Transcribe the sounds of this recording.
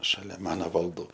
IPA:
ʃɐˈlʲɛ ˈmɑːnoː ʋɐlˠˈduː

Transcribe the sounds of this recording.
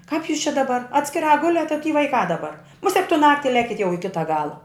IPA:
kɐp juːs t͡ʃʲɛ dɐˈbɐr ɐtʲsʲkʲɪˈrɑː ˈɡʊlʲɛt ɐ tʲiː ʋɐɪˈkɑː dɐˈbɐr mʊˈsʲɛk tʊ ˈnɑːktʲɪ ˈlʲæːkʲɪt jɛʊ ɪ ˈkʲɪtɐ ˈɡɑːlˠɐ

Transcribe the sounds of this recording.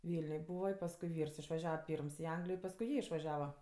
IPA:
ˈʋʲiːlʲnʲʊj ˈbuːʋɐ ɪ pɐsˈkʊɪ ˈʋʲiːrs ɪʃʋɐˈʒʲæːʋɐ ˈpʲiːrms ɪ ˈɐŋɡlʲɪjoː ɪ pɐsˈkʊɪ ˈjiɛ ɪʃʋɐˈʒʲæːʋɐ

